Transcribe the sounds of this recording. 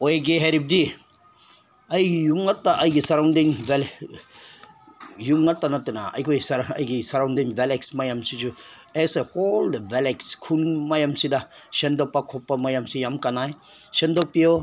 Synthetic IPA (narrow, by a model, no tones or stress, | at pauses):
ojɡeɦeɾip̚di | ajijuŋatːaʔajɡisaɾawndiŋbel | juŋatːanatena̰a̰jkʰojsɾa̰jɡisaɾawndiŋbeleksmajamsid͡ʒueseholdbelekskʰunmajamsidasendɔpakʰɔpːamajamsijamkanajsendopio